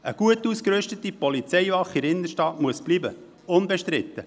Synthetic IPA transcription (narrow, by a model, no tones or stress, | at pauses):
əɡ̥uətuskɾʏʃtət̪ipɔlit͡sɛjvɑχɪɾɪndəʃtɑːtmuəsb̥libə | ʊnbɛʃt̪ɾɪt̪ːə